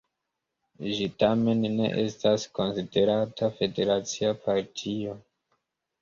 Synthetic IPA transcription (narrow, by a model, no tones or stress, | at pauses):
ʒitame̞nːe̞̰ʔe̞stasko̞nside̞ɾatʰafe̞de̞ɾat͡siapʰaɾtʰio̞